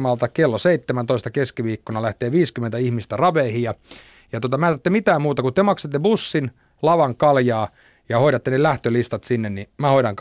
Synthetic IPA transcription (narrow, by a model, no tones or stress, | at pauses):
mɑlt̪ɑkelːoseit̪ːemænt̪oist̪ɑkeskiʋiːkːonɑlæht̪eːʋiːskymːent̪æihmist̪ærɑʋeːhijjɑ | jɑt̪uot̪ɑmæːt̪æt̪ːemit̪æːmmuːt̪ɑkut̪emɑkset̪ːebusːin | lɑʋɑŋkɑljɑː | jɑhoiɾɑt̪ːenelæht̪ølist̪ɑt̪sinːennimæhoiɾɑŋk